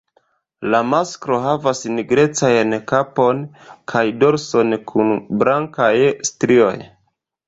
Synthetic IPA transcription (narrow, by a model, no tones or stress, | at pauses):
lamaskɾo̞ɦavasniɡɾe̞t͡sajnkapo̞n | kʰajdo̞ɾso̞nkʰunblaŋkajstɾio̞̰j